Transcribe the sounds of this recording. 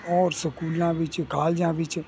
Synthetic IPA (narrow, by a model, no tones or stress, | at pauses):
ɔːɾsəkuːlãʋɪt͡ʃkaːld͡ʒãːʋɪt͡ʃ